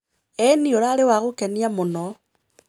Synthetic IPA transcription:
ɛnioɾaɾewaɣokeniamonɔ

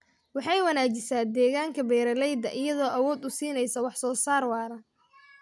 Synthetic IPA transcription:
wɑħɑjwɐnaːt͡ʃɪsaːd̪ɛːɣaːŋkʰɐbɛːɾɐlɛjd̪ɐʔɪjɐðɔːʔɐwɔːd̪ʊsiːnɛjsɐwɑħsɔːsaːrwɑːɾɐ

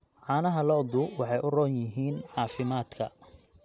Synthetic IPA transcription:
ʕɑːnɐɦɐlɔd̪ʊwɑħɑjʔʊrɔːnjɪɦiːnʕɑːfɪmaːd̪kʰɐ̰

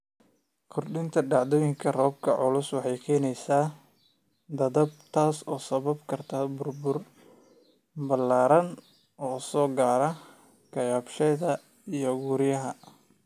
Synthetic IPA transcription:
kʰʊrɖɪnt̪ʰɐɖɑʕd̪ɔːjɪŋkʰɐrɔːb̚kʰɐʕʊlʊswɑħɑjkʰɛːnɛjsaː | d̪ɐðɐb̚t̪ʰaːsɔːsɐβɐbkʰɐrt̪ʰɐbʊrbʊr | bɐlːaːɾɐn | ɔːsɔːɡaːɾɐ | kʰɐjaːbʃɛðɐ | ijɔɣuːɾɪjɐɦɐ

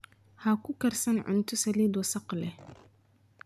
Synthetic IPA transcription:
hɐkʰʊkɐrsɐnʕʊ̰nt̪ʰʊsɐliːd̪wɐsɑqlɛh

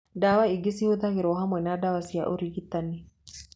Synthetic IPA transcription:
dawaiɡisihuðaɣiɾɔɦamwɛnadawasia̰ʔuɾikit̪ːani

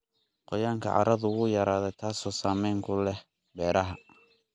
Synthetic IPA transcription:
qɔjaːŋkʰɐ̰ʕɑ̰ɾɐðʊɣʊjɐɾaːðɛt̪ʰaːsɔːsaːmɛjŋkʰʊlɛh | bɛːɾɐɦɐ

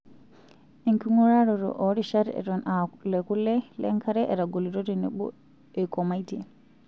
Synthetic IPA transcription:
ʔɛŋkuŋɔɾaɾɔɾɔ̰ʔoɾiʃaɾɛ̰ɗɔnalɛkulːɛlɛŋkaɾɛʔɛɾaɡoliɾotɛnɛ̰ɓɔ̰ | ɛkɔmajtɛ

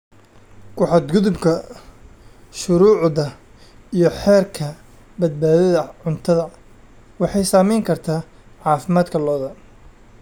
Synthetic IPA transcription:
kʰʊħɑd̪ɡʊðʊbkʰɐ | ʃʊɾuːʕðɐ | ijɞħɛːrkʰɐ | bɐd̪̚baːðɐðɐʕʊnt̪ʰɐðɐ | wɑħɑjsaːmɛjŋkʰɐrt̪ʰaː | ʕɑːfɪmaːd̪kʰɐlɔːðɐ

